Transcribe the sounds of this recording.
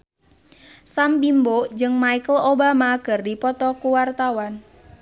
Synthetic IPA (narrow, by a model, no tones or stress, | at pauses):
sambimbod͡ʒɨŋmaikəlobamaɡ̥ərdipɔt̪ɔkuwart̪awan